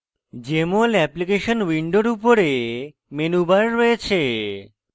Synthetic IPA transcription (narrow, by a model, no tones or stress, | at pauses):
d͡ʑemolɛplikeʃonwiɳɖoɾupoɾe | menubaɾːoet͡ɕʰe